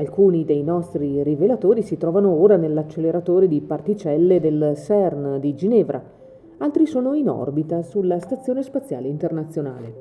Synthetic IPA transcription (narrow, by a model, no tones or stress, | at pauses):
alkuːnid̪ejnɔst̪ɾirivelat̪oːɾisit̪ɾɔːvanooːɾanelːat͡ʃːelːeɾat̪oːɾed̪ipart̪it͡ʃɛlːed̪elsɛrnd̪id͡ʒinɛːvɾʔa̰ | alt̪ɾisoːnoinɔ̰rbit̪asulːast̪at̪sːjoːnespat̪sːja̰ːleint̪ernat̪sːjona̰ːle